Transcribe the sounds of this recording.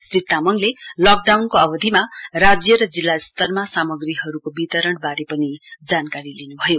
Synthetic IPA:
srit̪ːamʌŋlelʌk̚ɖawnkoʌbʌd̪ʱimarad͡zjʌɾʌd͡zilːast̪ʌrmasamʌɡriɦʌɾukobit̪ʌɾʌɳbaɾepʌnid͡zankaɾilinubʱʌjo

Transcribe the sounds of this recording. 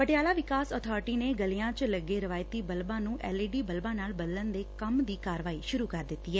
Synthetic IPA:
pəʈɪjaːlaːʋɪkaːsɔːt̪ʰɔːɾɪʈiːneːɡəliːãːt͡ʃləɡːeːɾəʋaːɪt̪iːbəlbãːnũːʔɛːliːɖiːbəlbãːnaːlbəd̪lənd̪eːkəmd̪iːkaːɾʋaːiːʃʊɾuːkəɾd̪ɪt̪ːiːɦɛː

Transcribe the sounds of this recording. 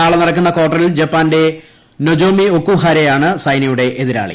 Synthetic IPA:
aːɭɐnɐɽɐk̬ːunːɐko̞ːʈːɐɾild͡ʑɐpːaːnde̞ | nod͡ʑo̞ːmiokːuɦaːɾejaːɳɨsɐjnijuɽe̞ʔeðiɾa̰ːɭḭ

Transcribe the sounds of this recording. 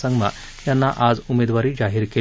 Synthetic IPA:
səŋɡma̰ | janːaʔad͡zumed̪ʋaɾiːd͡zaɦiːɾke

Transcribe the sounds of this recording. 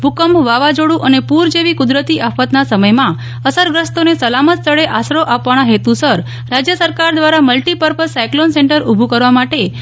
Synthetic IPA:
bʱukəmʋaʋad͡ʒoɽũʔənepuɾd͡ʒeʋikʊd̪ɾət̪iafət̪nasəməjmã | əsəɾɡɾəst̪onesəlamət̪st̪ʰəɽeʔasɾoʔapʋaɽ̃aɦet̪usəɾ | ɾad͡ʒjəsəɾkaɾd̪ʋaɾaməlʈipəɾpəsajklonsẽɳʈəɾubʱukəɾʋamaʈe

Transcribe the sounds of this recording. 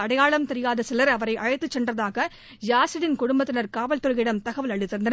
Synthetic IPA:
ɐɽɐjaːɭɐmt̪ɛɾɪjaːðɐsɛlɐɾɐʋɐɾɐɪʔɐɻɐɪt̪ːɯt͡ʃːɛndrɐðaːɣɐ | jaːsɪɽɪnkʊɽʊmbɐt̪ːɪnɐɾkaːʋɐlt̪ɔɾɐɣɪɽɐmt̪ɐɣɐʋɐlɐɭɪt̪ːɪɾnd̪ɐn

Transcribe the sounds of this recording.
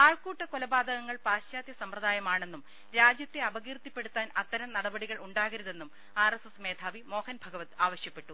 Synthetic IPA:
aːɭkuːʈːɐkolɐbaːd̪ɐɣɐŋːɐɭpaːɕjaːd̪jɐsɐmprɐðaːjɐmaːɳe̞nːum | ɾaːd͡ʑjɐt̪ːeɐbɐɣiːrt̪ːipːe̞ɽut̪ːaːnɐt̪ːɐɾɐmnɐɽɐbɐɽiɣɐɭuɳɖaːɣɐɾɐðe̞nːum | aːresesme̞ːd̪ʰʱaːʋimo̞ːhɐnbʱɐɡɐʋɐt̪ːaːʋɐɕjɐpːe̞ʈːu

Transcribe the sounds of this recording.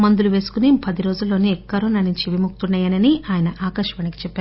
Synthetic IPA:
mɐnd̪uluʋeːsu̥kunipɐd̪iɾo̞ːd͡ʒulːoːnekɐɾoːnaːnuɲt͡ʃiʋimuk̚t̪unːaːjɐnɐniʔaːjɐnɐʔaːkɐʃɐʋɐniki̥t͡ʃɛpːaːɾ

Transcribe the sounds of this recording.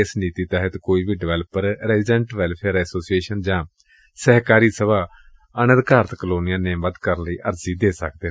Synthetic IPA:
ɪsniːt̪iːt̪ɛːɦət̪koːiːʋiːɖɪʋɛːləpəɾɾɛːzɪd͡ʒɛ̃ɳʈʋɛːlpʰeːɾɛːsoːsieːʃənd͡ʒãː | sɛɦkaːɾiːsəʋaː | ənə̃d̪kaːɾət̪ʰkəloːnɪijaːnẽːməd̪kəɾnləiːʔəɾziːd̪eːsək̚d̪eː

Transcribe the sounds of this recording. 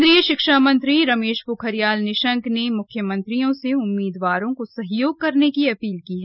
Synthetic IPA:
d̪ɾijəʃɪkʃaːmɐ̃nt̪ɾiɾɐmeːʃpukʰɦɐɾijaːlnɪʃə̃ŋknemʊkʰjəmə̃nt̪ɾijõseʊmːiːd̪ʋaːɾõkosɐɦjoːɡ̚kɐɾnekiɐpiːlkiɦɛː

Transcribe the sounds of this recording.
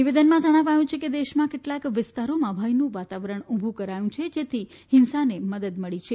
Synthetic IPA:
niʋed̪ənmãd͡ʒəɽ̃aʋajũt͡ʃʰeked̪eʃmãkeʈlakʋɪst̪aɾomãbʱajnũʋat̪aʋɾəɳ̃ũbʱũkəɾajũt͡ʃʰed͡ʒet̪ʰi | hɪnsaneməd̪əd̪məɭit͡ʃʰe

